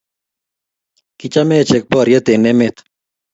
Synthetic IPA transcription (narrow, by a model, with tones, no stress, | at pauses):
kit͡ʃa˦mɛ˦˨t͡ʃe˨k̚bɔ˦ɾjə˦t̪e˨ne˦mɪt̪